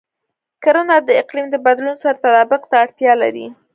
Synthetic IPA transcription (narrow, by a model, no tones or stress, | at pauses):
kaɾənɑd̪əɪqlimd̪əbad̪lunsaɾat̪ad̪ɑbʊqt̪aːɽt̪jɑla̰ɾḭ